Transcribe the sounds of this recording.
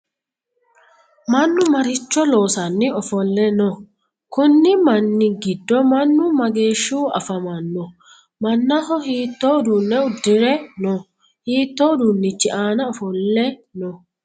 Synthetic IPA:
mɐnːʊmɐɾɪt͡ʃːɔloːsɐnːɪɔfɔlːɛnɔ | kʊnːɪmɐnːɪɡɪd̪ːɔmɐnːʊmɐɡeːʃːuːɐ̰fɐmɐnːɔ | mɐnːɐhɔhiːt̪ːoːd̪unːɛʊd̪ːɪɾɛnɔ | hiːt̪ːoːd̪unːɪt͡ʃːɪʔaːnɐɔfɔlːɛnɔ

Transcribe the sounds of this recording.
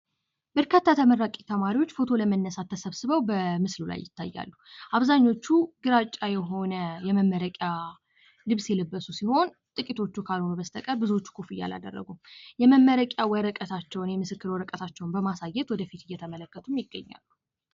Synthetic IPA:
bəɾkʰət̪ʰːat̪ʰəməɾːakʼit̪ʰəmaɾiwot͡ʃːfo̞t̪ʰo̞ləmənːəsat̪ʰːəsəβsɨβəwbəmɨslula̰jːɪ̰t̪ːa̰jːa̰lːuʔaβzaɲːo̞t͡ʃːuɡɨɾat͡ʃʼːajɛɦo̞nəjɛməmːəɾəkʼja | lɨβsjɛləbːəsusiho̞n | t̪ʼɨkʼit̪ʰo̞t͡ʃːukʰalho̞nubəst̪ʰəkʼəɾbɨzuo̞t͡ʃːu̥kʰofɨjːa̰la̰d̪ə̰rːə̰ɡujɛməmːəɾəkʼjawəɾəkʼət̪ʰat͡ʃːɛwnjɛmɨsɨkːɨɾwɔɾəkʼət̪ʰat͡ʃːɛwnbəmasajːɛt̪wɔd̪əfit̪ɨjːɛt̪ʰəmələkːət̪ʰumjɪɡːəɲːa̰lːu

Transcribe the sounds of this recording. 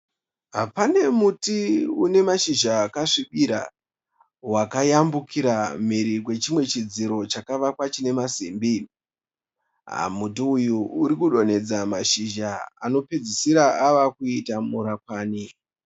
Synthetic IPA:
ɦapane̞mutiune̞maʃiʒaːkaʂiɓiɾa̰ | wakajambukʰiɾam̤iɾikwe̞t͡ʃimwe̞t͡ʃid͡ziɾo̞t͡ʃakaʋakwat͡ʃine̞masiːmbi | ɦa̰mutiujuuɾikuɗo̞ne̞d͡zamaʃiʒaa̰no̞pe̞d͡zisiɾaaʋakuitamuɾak̚waːni

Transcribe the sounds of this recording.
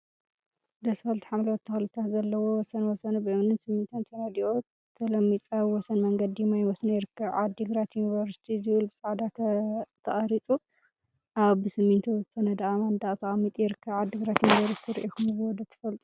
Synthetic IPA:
d̪ɐsɨfɐlt̪ʰu̥ħamlɐwt̪ʰːɨxɐlɨt̪ʰat̪zɐlːɐwowɔsɐnwɔsɐnubɨʔmnɨnsɨmːint̪ʰɐnt̪ʰɐnɐd̪iʔo | t̪ʰːɐlɐmːit͡sʼaβwɔsɐnmɐŋɡɐd̪ijmajwɔsnajɪɾɨkʰːɐβʕad̪ːɨɡɾat̪junivɐɾst̪ʰizɨβɨlbɨsʼɐʕd̪at̪ʰɐχʼɐɾit͡sʼu | ʔaβɨsɨmːint̪ʰɐzɨt̪ʰɐnɐd̪ɐamɐnd̪aʔt̪ʰɐχʼɐmːit̪ʼjɪɾɨkʰːɐβʕad̪ːɨɡɾat̪junivɐɾst̪ʰiɾiʔikumɨzɨwɔd̪ɐt̪ʰɨ̥fɐlt̪ʼu

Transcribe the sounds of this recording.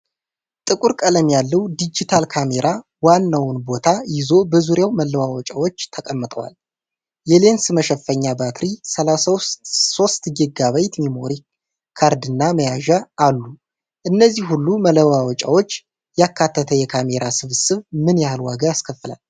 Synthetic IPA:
t̪ʼɨkʼuɾkʼələmjalːəwd̪id͡ʒit̪ʰalkʰame̞ɾʔa | wanːawnbo̞t̪ʰajɪzo̞bəzuɾjawmələwawɔt͡ʃʼawo̞t͡ʃːt̪ʰəkʼəmːɨt̪ʼəwa̰l | jɛle̞nsɨməʃɛfːəɲːabat̪ɾisəlasso̞st̪ɡɨɡaβajt̪mimoɾi | kʰaɾd̪ɨnːaməjaʒaʔːlːu | ʔɨnːəzːihhulːumələwawɔt͡ʃʼa̰wo̞t͡ʃː | jakʰːat̪ʰːət̪ʰəjɛkʰame̞ɾasɨβsɨβmɨnjahalwa̰ɡəjaskʰəfːɨla̰l

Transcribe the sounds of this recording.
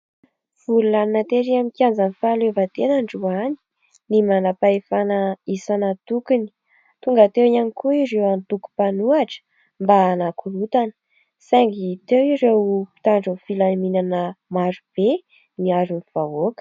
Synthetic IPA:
v̥ululannat̪eɾiamikʲiand͡zanifalevət̪enaɳɖ͡ʐuani̥ | nimanapaefanəisanat̪ukuni̥ | t̪uŋɡat̪ewianikuiɾewant̪uku̥panuaʈ͡ʂə̥ | mbaːnakʰulut̪anə̥ | saŋɡit̪ewiɾewpi̥t̪aɳɖ͡ʐunfilaminanəmaɾub̥e | niaɾuniv̥aokə̥

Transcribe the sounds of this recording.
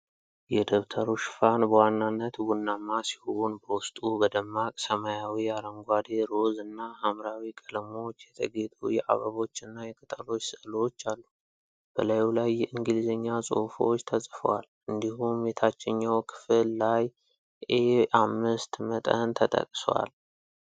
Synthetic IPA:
jɛd̪əβt̪ʰəɾuʃfanbəwanːanːət̪wunːamːasi̥huunbəwʊst̪ʼubəd̪əmːakʼsəmajawiaɾəŋɡʷad̪eɾo̞zɨnːahamɾawikʼələmo̞t͡ʃːjɛt̪ʰə̰ɡe̞t̪ʰʼujɛʔa̰βəβo̞t͡ʃːɨnːajɛkʼɨt̪ʼəlo̞t͡ʃːsəlot͡ʃːalːu | b̥əlajwlajːɛʔɨŋɡɨlizəɲːasʼo̰fot͡ʃːt̪ʰəsʼfə̰wa̰l | ɨnd̪ihumːet̪ʰat͡ʃːɪɲːawkʰɨ̥fɨlːaj | ʔeʔamːɨst̪mət̪ʼənt̪ʰət̪ʼə̰kʼswa̰l

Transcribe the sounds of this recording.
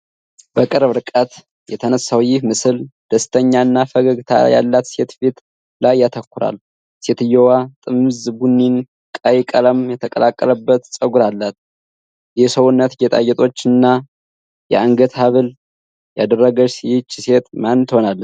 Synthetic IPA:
bəkʼɨɾβɨɾɨkʼət̪ | jɛt̪ʰənəsawjɪhmɨsɨld̪̥əst̪ʰəɲːaɨnːafəɡəɡt̪ʰa̰ja̰lːat̪se̞t̪fet̪ | lajːat̪ʰəkːʊɾa̰lː | se̞t̪ɨjɛwat̪ʼɨmzbunːin | kʼajkʼələmjɛt̪ʰəkʼə̰lakʼːələbːət̪sʼəɡuɾalːat̪ | jɛsəwunːət̪jɛt̪ʼa̰jɛt̪ʼo̞t͡ʃːɨnːa | jɛ̰aŋɡət̪ʰaβɨl | jad̪ərːəɡəsijt͡ʃːse̞t̪mant̪honalː

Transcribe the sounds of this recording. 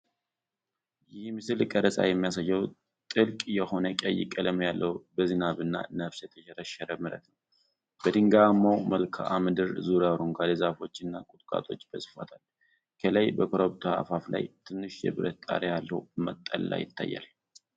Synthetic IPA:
jɪhmɨsɨlkʼəɾəsʼa̰jɛmːijasajːəw | t̪ʼɨlkʼjɛho̞nəkʼəjːɪkʼələmjalːəwbəzɨnaβɨnːa̰nəfsjɛt̪ʰə̥ʃɛɾəʃɛɾəmɨɾə̰t̪nəw | b̥əd̪ɨŋɡamːawməlkʰa̰ʔamɨd̪ɨɾzuɾawɾoŋɡalɨzafo̞t͡ʃːɨnːakʼʊt̪ʼkʼa̰t̪ʼo̞t͡ʃːb̥əsɨ̥fa̰t̪ʰal | kʰələjbəkʰoɾoβt̪ʰoa̰fafla̰jt̪ʰɨnːɨʃjɛ̰βɨɾət̪t̪ʼa̰ɾejalːəwmət̪ʼːəlːa̰jɪt̪ʰːajːa̰l

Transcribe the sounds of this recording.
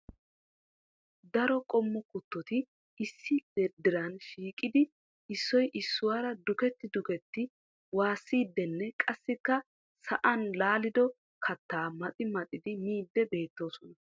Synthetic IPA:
d̪ɐɾɔkʼɔmːɔkʊt̪ːɔt̪ɪ | ɪsːɪd̪̥ɛd̪ːɪɾɐnʃiːkʼːɪd̪ɪ | ɪsːɔjʔɪsːʊwaːɾɐd̪ʊkɛt̪ːɪd̪ʊkɛt̪ːɪ | waːsːiːd̪ːɛnːɛkʼɐsːɪkːɐ | sɐʔɐnlaːlɪd̪ɔ | kʰɐt̪ːaːmɐt̪ʼɪmɐt̪ʼɪd̪ɪmiːd̪ːɛbe̞ːt̪ːo̞ːsɔnɐ

